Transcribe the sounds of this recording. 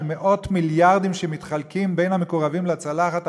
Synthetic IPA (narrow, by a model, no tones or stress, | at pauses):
meʔo̞t̪miljaʁd̪imʃemit̪χalkimbe̞jnhame̞koʁavimlat͡salaχat̪